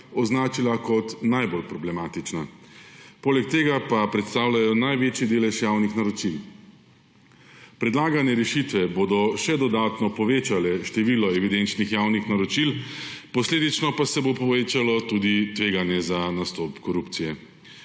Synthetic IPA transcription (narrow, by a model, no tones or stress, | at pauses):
ɔznaːt͡ʃilakɔt̪najbolpɾɔblɛmaːt̪it͡ʃna | poːlɛk̚t̪eːɡapapɾɛt̪st̪aːwlajɔnajʋeːt͡ʃid̪eːlɛʃjaːwnixnaɾɔt͡ʃil | pɾɛd̪laːɡanɛɾɛʃit̪ʋɛboːd̪ɔʃɛd̪ɔd̪aːt̪nɔpɔʋeːt͡ʃalɛʃt̪ɛʋiːlɔɛʋid̪ent͡ʃnixjaːwnixnaɾɔt͡ʃilpɔsleːd̪it͡ʃnɔpasɛbopɔʋeːt͡ʃalɔt̪ud̪it̪ʋeːɡanjɛzanast̪ɔpkɔɾupt̪sijɛ